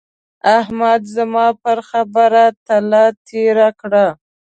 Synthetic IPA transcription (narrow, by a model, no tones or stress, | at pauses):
ahmad̪zəmɑpəɾxabəɾat̪alat̪ʰeɾakɽa